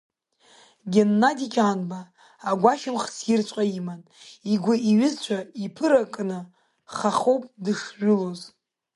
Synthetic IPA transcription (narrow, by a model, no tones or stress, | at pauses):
ɡʲenːadikʲʰʼanbaː | ɡʷaʃɪmχsɪrt͡ʃʷʼaiman | iɡʷaiɥɪzt͡ɕʷʰaipʰɨɾakʼnɨ | χaχowpʼdɨʂʒʊloz